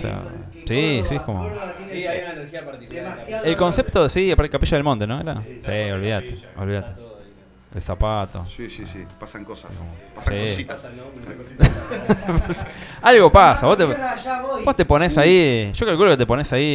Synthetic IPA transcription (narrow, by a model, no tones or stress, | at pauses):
sḛa̰ | sisiehkomo | nneɾiapaɾt̪ikelko̞nsep̚t̪osiapaɾt̪ekapeʃaðelmõnt̪e̞nõeɾasiolβiðat̪eo̰lβiðat̪e | ḛlsapat̪o̰sisisipasaŋkosa̰komoasiosit̪as | psalɣo̞pasaβost̪e | bost̪epo̞nesaiʃokalkuloket̪̬eponesai